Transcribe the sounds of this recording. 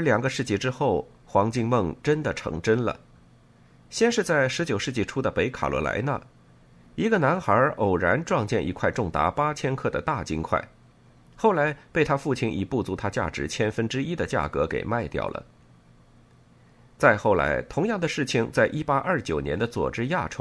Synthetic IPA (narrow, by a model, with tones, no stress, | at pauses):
ə˞˧˥ljɑ˨˩ŋɡə˧˦ʂɻ̩˥˧t͡ɕi˥˧˩ʈ͡ʂɻ̩˥xo˥˩ʊ | xwɑ˧˥ŋt͡ɕi˥˧ŋmɤ˥˩ŋʈ͡ʂə˥nd̪ə˨ʈ͡ʂʰɤ̰˧˥ŋʈ͡ʂə˥nlə̰˩ | ɕjɛ˥nʂɻ̩˥˧t͡sa˥˩ɪʂɻ̩˧˥t͡ɕjo˨˩ʊʂɻ̩˥˧t͡ɕi˥˩ʈ͡ʂʰu˥d̪ə˨pe˧˥ɪkʰa̰˨˩lwɔ̰˧˥la̰˧˥ɪna̰˧ | i˧˥ɡə˧na˧˥nxə˞˧˥ʔo˨˩ʊɻa˧˥nʈ͡ʂwɑ˥˧ŋt͡ɕjɛ˥˩nʔi˧˥kʰwa˥˧ɪʈ͡ʂʊ˥˩ŋt̪a̰˧˥pa˥t͡ɕʰjɛ˥nkʰɤ˥˩d̪ə̰˩t̪a˥˩t͡ɕi˥nkʰwa̰˥˩ɪ | xo˥˩ʊla˧˥ɪpe˥˩ɪt̪ʰa˥fu˥˩t͡ɕʰi˧˥nḭ˨˩pu˥˩t͡su˧˥t̪ʰa˥t͡ɕja̰˥˩ʈ͡ʂɻ̩˧˥t͡ɕʰjɛ˥nfə˥nʈ͡ʂɻ̩˥i˥d̪ə˨t͡ɕja̰˥˩kɤ˧˥kḛ˨˩ɪma˥˧ɪt̪jɑ̰˥˩ʊlʔə̰˦ | t͡sa˥˧ɪxo˥˩ʊla̰˧˥ɪt̪ʰʊ˧˥ŋjɑ˥˩ŋd̪ə˩ʂɻ̩˥˩t͡ɕʰi˨˩ŋt͡sa˥˩ɪʔi˥pa˥ʔɐ˞˥˩t͡ɕjo˨˩ʊnjɛ˧˥nd̪ə˧t͡swɔ̰˨˩ʈ͡ʂɻ̩˥ja˥˩ʈ͡ʂʰo˧˥˦